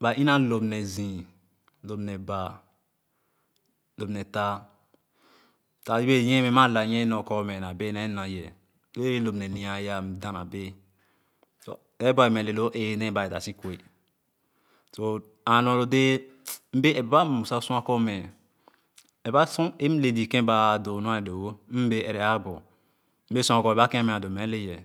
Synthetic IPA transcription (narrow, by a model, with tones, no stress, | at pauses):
ba˨ĩ˦nã˦lo˨bnɛ˨zĩ˨ | lo˨bnɛ˨ba˨ | lo˨bnɛ˨ta˦ | ta˨i˦be˦˨jɛ̃˦mɛ̃˨˦mã˦˨la˨jɛ̃˦nɔ˨kɔ˦mɛ˨na˨be˦na˨˦nã˨˦jɛ˨ | do˦e˦be˦lo˨mnɛ˨nĩ˨a˨ja˦m̩˨dã˨na̰˨be˦ | so̰˨ | e˦bɔ˦e˨mɛ˨le˨lo˦ʔe˦˨ne˦ba˨e˨ta̰˨sĩ˦kwe˨ | so˨ | a˨no˨lo˨de˦m̩˦be˦ɛ˨bba˦m˨u˨sa˦sũ˦a˦kɔ˦mɛ˨ | ɛ˨ba˦sũ˦e˦m̩˦le˨di˨kẽ˦ba˦˨do˨nu˦a˦˨do˨wo˦m̩˦be˦ʔɛ˨ɾɛ˨a˦bɔ˨ | m̩˦be˦sũ˦a˨kɔ˨ba˦kẽ˦a˦me˨a˨do˨me˨˦le˦jɛ˨